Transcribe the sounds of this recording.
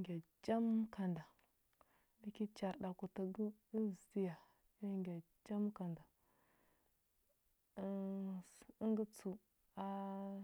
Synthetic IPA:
ɡʲa˨d͡ʒa˦m˦ka˨nda˨ | di˦ki˦t͡ʃa˨ɗa˨ku˨ta˨ɡə˦i˦˨zti˦ja˨ | ja˦ŋɡʲa˨ | d͡ʒa˦m˦ka˨nda˨˦ | ŋɡə˦t͡su˨ | a˦

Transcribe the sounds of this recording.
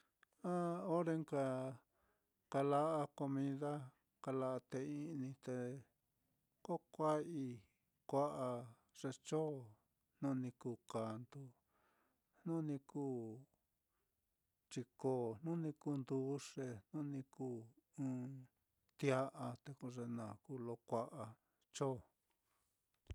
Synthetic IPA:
a˦o˦ɾe˧ŋka˧ | ka˧la˧ʔa˧ko˧mĩ˧ða˦ | ka˧la˧ʔa˧t̪e˧i˧nĩ˧t̪e˧ | ko˦kʷa˦i˧ | kʷa˦ʔa˧ | ʐe˧t͡ʃo˦˨ | n̥ũ˦˧nĩ˧ku˧˨ka˨nd̪u˧ | n̥ũ˦nĩ˧kuː˦˨ | t͡ʃi˧ko˧˨n̥ũ˦nĩ˧ku˦nd̪u˧˦ʂe˧n̥ũ˦nĩ˧kuː˦ũ˦ | t̪ja˦ʔa˧t̪e˧ku˧ʐe˧nã˨kuː˦˨˧lo˧˦kʷa˦ʔa˧ | t͡ʃo˦

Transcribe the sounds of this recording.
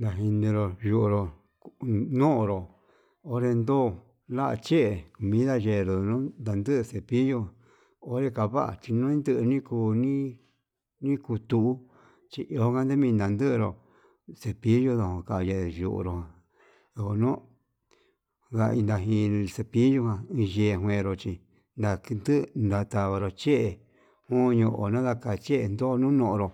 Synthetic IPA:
nd̪a˨ɦi˧nĩ˧ɾo˧ju˧ʔɾo˨ | nũ˦ʔɾo˨ | o˦ɾe˧nd̪oː˦˨ | la˦ʔa̰˧t͡ʃe˦ʔe˨ku˨mĩ˦ða˧ʒe˧˨ɾo˨˧nũ˦nd̪a˨nd̪ɨ˦ʔse˧˨pi˦jõ˧˨ | o˦ɾe˧ka˧βa˦ʔa̰˨t͡ʃi˧nũ˦ĩ˦nd̪ɨ˦ʔnĩ˦kuː˧nĩ˦ | nĩ˦ku˧t̪u˧ʔu˦ | t͡ʃi˧ʔo˧o˦kã˦nd̪e˦mĩ˧nd̪a˧nd̪ɨ˦ʔɾo˧˨ | se˧pi˦jo˦˧ðo˧˨hõ˧ka˧˨˧je˧ʒṵ˧˨ʔɾo˧hã˧ | o˧ko˧nõ˦ | ða˧i˧nd̪a˧ɦĩ˧se˧pi˦ju˧hã˧ĩ˧je˧˨ɦw̃ẽ˧ɾo˧t͡ʃi˧ | nd̪a˧knd̪ɨ˦˧nd̪a˧t̪a˧βa˧ɾo˧t͡ʃe˦ʔe˧ | hõ˦˧ɲõ˧ʔo˨nã˦ða˧ka˧˨t͡ʃe˦ʔe˧nd̪o˦˧nũ˦nõ˧ʔõ˧ɾo˧

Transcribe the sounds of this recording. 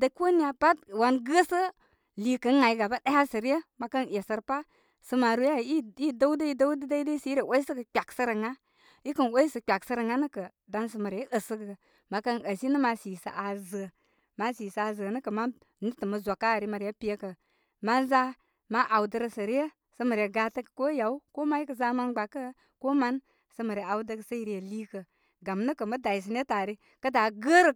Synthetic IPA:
də˨ko˦ni˦a˨pa˦t̚wa˨nɡə˦sə˦ | li˨kə˨˦ŋa˨ji˦ɡa˨ba˦ɗe˦ha˦sə˨ɾi˦jə˦ma˨kə˦nje˨sə˧˨ɾpa˦ | sə˧ma˨ɾu˦ja˦˨i˦i˦də˦wdə˦i˦da˦u˦də˦da˦i˦də˦si˨˦ɾe˨wo˦i˦sə˦kə˨k͡pʲa˨ksə˦ɾə˨ŋa˦ | i˦kə˨nwo˦i˦sə˨k͡pʲa˨ksə˧ɾə˨ŋa˦nə˦kə˨ | da˧˦ns̬ə˨ma˨ɾə˦ʔə˨sə˦ɡə˨ | ma˨kə˦nə˨si˦nə˦ma˧si˨sa̰˨ʔa˨zə˨ | ma˦si˨sa˨a˨zə˨nə˦kə˨ma˦ | ni˦tə˨mə˨zo˨ka˦˨ɾi˦mə˨ɾjə˦pi˦jə˦kə˨ | ma˦nza˦ | ma˦ʔa˨wdə˧ɾə˧sə˨ɾi˦ə˦ | sə˦mə˨ɾjə˨ɡa˧˦tə˦kə̥˨ko˦ja˨u˦ko˦ma˦ji˦kə˨za˧ma˦nɡ͡ba˨kːə˦ | ko˦ma˦n | sə˧mə˨ɾə˨a˨wdə˧kə˨sə˦ji˨ɾjə˨li˦kə˨ | ɡa˨mnə˦kə˨mə˦da˨i˨s̬i˨n˦e˦ta˨ɾi˦ | kə˦da˨ɡə˦ɾə˨

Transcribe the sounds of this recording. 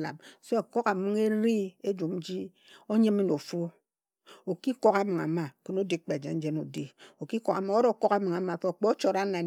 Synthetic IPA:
la̰˨mso˦a˨ko˦ka˨mɨ˦ŋe˦ɾi˦e˦d͡ʒu˨m˦d͡ʒi˦ | o˦ɲe˦mi˦no˨fo˦ | o˨ki˦ko˦ka˨˦mɨ˨ŋa̰˨ma˨ko˨no˦di˦k͡pe˨d͡ʒḛ˨n̩˦d͡ʒe˦no˨di˦o˨ki˦ko˦ka˨ma˨˦o˦ɾo˦ko˦ka˨˦mɨ˨ŋa˨ma˨fe˦o˨k͡pe˦o˦t͡ʃo˨ɾa˦na˨

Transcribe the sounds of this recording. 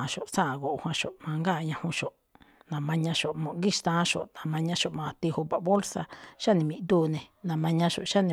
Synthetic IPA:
ʃo˨ʔsã˦˨ɡo˨˧hwã˧ʃo˨ʔmã˧ŋɡa˦˨ɲã˧hũ˧ʃo˨ʔ | nã˨mã˧ɲã˧ʃo˨ʔmõ˨ɡi˦˨ʃt̪ã˦ʃo̰˨ʔnã˨mã˧ɲã˧ʃo˨ʔmã˧t̪i˧hu˧pa˨bo˦lsa˧ʃa˦˨nĩ˧mĩ˧d̪uː˦˨nẽ˨nã˨mã˧ɲã˧ʃo̰˨ʔʃa˦˨nĩ˧

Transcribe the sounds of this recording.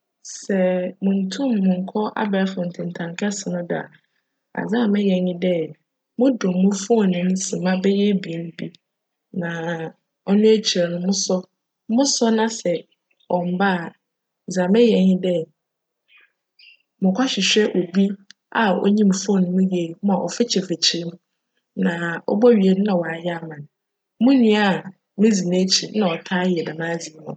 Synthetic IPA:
sɛ˨mʊ̃˨n̩˨tʰũ˦˨mːʊ̃˨ŋ̩˨kʰɔ˦ʔa̰˦ba˨fʊ̃˨n̩˨tʰɪ̃˨n˨tʰã˨ŋkʰɛ˦sɪ˨nʊ̃˦dɪ˨a̰˨ | a̰˨zã˦˨mɛ̃˦jɛ̃˨nɪ̃˦dɛ˦ | mʊ̃˦dɔ̃˨mʊ̃˦fu˦ɔ˦˨nʊ̃˦m˦sɪ˨mã˦bɛ˦jɛ˦bi˨e˦m˦bi˦ | nã˨ | ɔ˦nʊ̃˦æ˦t͡ɕʰi˨ɛ˨nʊ̃˨mʊ̃˦sɔ˦ | mʊ̃˦sɔ˦nã˦sɛ˨ | ɔ˨m˨ba˦˨ | d͡zã˨mɛ̃˦jɛ˨hɪ̃˦dɛ˦ | mʊ̃˨kʰʷa˦ɕᶣɪ˨ɕᶣɛ˦ʔo˨bi˦ | a˨ɔ̰˦ɲĩ˦m˨fɔ̃˦˨nʊ̃˨˦mʊ̃˦jɛ˨˦mʊ̃˦a˨ʔɔ̰˨fɛ˦t͡ɕʰɛ˨fe˨t͡ɕʰɪ˨ɾmʊ̃˦ | nã˨ɔ̰˦bɔ˦ɥi˨ɛ˨dʊ˦nã˨wɔ˨a˨jɛ˦a˨mã˨n˦ | mʊ̃˦nĩ˨a˨ | mɪ̃˦d͡zi˨nẽ˦t͡ɕʰi˨˦nã˨ɔ˨tʰaː˦jɛ˨da˨mãː˦d͡zi˨n˨˦ʊ̃˨

